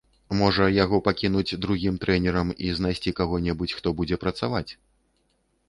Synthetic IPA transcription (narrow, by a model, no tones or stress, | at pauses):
mɔʐɐjaɣɔpakʲinud͡zʲd̪ɾuɣʲimt̪ɾɛnʲɛɾɐmiznajsʲt͡sʲikaɣɔnʲɛbut͡sʲxt̪ɔbud͡zʲɛpɾɐt̪savat͡sʲ